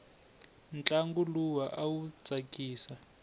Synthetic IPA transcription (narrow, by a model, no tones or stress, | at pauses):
nt͡ɬʼaŋɡuluwaʔawut͡sʼakʼiːsa